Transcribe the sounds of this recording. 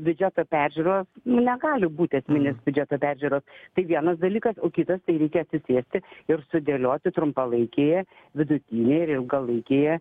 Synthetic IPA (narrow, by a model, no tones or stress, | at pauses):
bʲʊd͡ʒʲæt̪oːpʲæɾʲʒʲʉɾoːsnʊnʲɛɡɑːlʲɪbuːt̪ʲɐsʲmʲɪnʲesbʲʊd͡ʒʲɛt̪oːpʲæɾʲʒʲʉːɾoːst̪ɐɪʋʲiɛnɐsd̪ɐlʲiːkɐsoːkʲɪt̪ɐst̪ɐɪɾʲɛɪkʲɛɐt̪sʲɪsʲeːsʲt̪ʲɪɪɾsʊd̪ʲeːlʲoːt̪ʲɪt̪ɾʊmpɐlˠɐɪkʲeːjɛ | ʋʲɪd̪ʊt̪ʲiːnʲeːjɪɾɪlˠɡɐlˠɐɪkʲeːjɛ